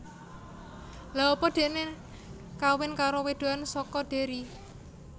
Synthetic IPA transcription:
laɔpɔɖ̪̥e̤ʔne | kawɪnkaɾowed̪̥o̤ansɔkɔɖ̪̥e̤ɾi

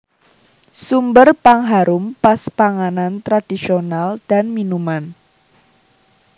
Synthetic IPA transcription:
sumbərpaŋɦaɾʊmpaspaŋanant̪ɾad̥isionald̥a̤nminuman

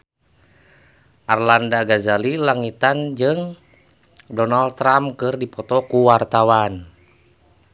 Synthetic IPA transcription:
ʔarlandaɡazalilaŋit̪and͡ʒɨŋ | dɔnaldt̪ːɾamkɨrdipɔt̪ɔkuwart̪awan

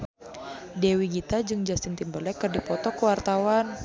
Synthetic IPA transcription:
dewiɡit̪ad͡ʒɨŋd͡ʒastint̪imbəlɛkːɨrdipɔt̪ɔkəwart̪awan

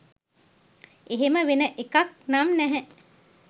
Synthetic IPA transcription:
eɦeməʋenəʔekak̚namnɛɦɛ

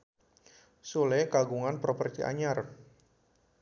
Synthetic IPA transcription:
sulekaɡuŋanpɾopərt̪iʔa̰ɲar

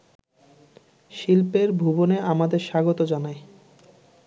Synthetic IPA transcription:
ʃilpeɾbʱuboneamad̪eɾʃaɡot̪od͡ʑanae

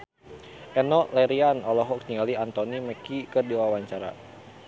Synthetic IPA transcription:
ʔɛnɔlɛɾianɔlɔɦɔk̚t̪iŋɡaliant̪oniməkikərdiwawaɲt͡ʃaɾa̰

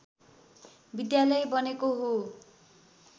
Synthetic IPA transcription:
bid̪jalʌjbʌnekoɦo

